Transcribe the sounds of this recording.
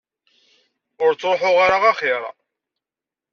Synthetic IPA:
ʊɾt͡sːɾoħoʁaɾaʁaχɪɾˤɑ̰

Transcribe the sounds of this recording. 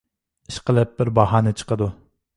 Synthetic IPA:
iʃqəlˠɪp̚bɪɾbɑɦɑnɪt͡ʃʰə̥qəd̪u

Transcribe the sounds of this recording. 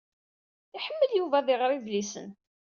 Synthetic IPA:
ɪħəmːəljuvæðɪʁɾivlisə̰n

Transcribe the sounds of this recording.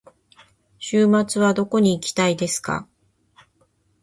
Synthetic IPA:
ɕɨːmat͡sɨβad̪o̞ko̞ɲ̟iːkʲi̥t̪aid̪e̞sɨ̥ka̰

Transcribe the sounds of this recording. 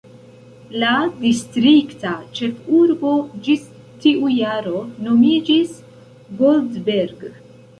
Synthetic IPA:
ladistɾiktat͡ʃe̞fuɾbo̞d͡ʒis | tiʔujaɾo̞no̞mid͡ʒis | ɡoldbeɾɡ

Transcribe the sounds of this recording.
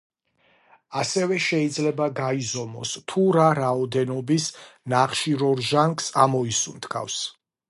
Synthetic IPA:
asɛvɛʃɛid̪zlɛbaɡaizɔmɔ̰st̪ʰuɾaɾaɔd̪ɛnɔbisnaχʃiɾɔɾʒaŋksamɔisunt̪ʰkʰa̰fs

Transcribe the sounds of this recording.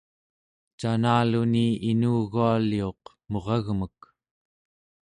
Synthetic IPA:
t͡ʃanaːluniinuːɣualio̞q | mo̞ʁɑɣmək

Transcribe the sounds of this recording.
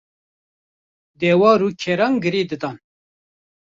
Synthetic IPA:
d̪ɛːwɑːɾukʰɛɾɑŋɡɨɾiːd̪ɨd̪ɑn

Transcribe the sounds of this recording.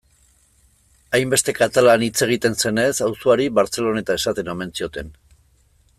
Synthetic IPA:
ajmbe̞st̪e̞kat̪alanit͡se̞ɣ̞it̪e̞nse̞ne̞sawsoaɾiβaɾt͡se̞lo̞ne̞t̪ae̞sat̪e̞nome̞nt͡sio̞t̪e̞n

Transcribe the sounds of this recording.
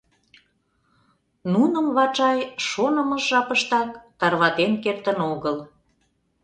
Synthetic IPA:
nunə̆mβɑt͡ʃɑjʃonəmə̆ʒʒɑpəʃt̪ɑkt̪ɑrβɑt̪enkert̪ənoɣəl

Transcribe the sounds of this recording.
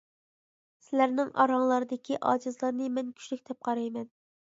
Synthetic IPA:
sɪlæɾnɪŋɑ̰ɾɑŋlˠɑɾɨd̪ɪkʲʰiʔɑ̰ːd͡ʒɨzlˠɑɾnɨmɛnkʲʰy̥ʃlykʲt̪ʰɛp̚qʰɑɾɑjmɛn

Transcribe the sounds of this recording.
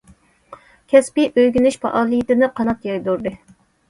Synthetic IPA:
kʲʰɛspiʔøjɡʲynyʃpʰɑ̰ʔɑːlˠijit̪ɪnɨqʰɑnɑt̪jɑjd̪uɾd̪ɨ

